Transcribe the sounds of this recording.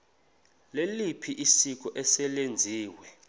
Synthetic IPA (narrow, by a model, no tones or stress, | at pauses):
lelipʰiʔisik̬ʼɔʔɛsɛlend͡zʱiːwɛ